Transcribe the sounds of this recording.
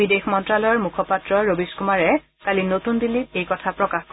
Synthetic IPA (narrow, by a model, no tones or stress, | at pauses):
bidexmɔntɹalɔjɔɹmukʰɔpatɹɔɹobiskumaɹɛ | kalinotundilːip̚ejkɔtʰapɹɔkaxk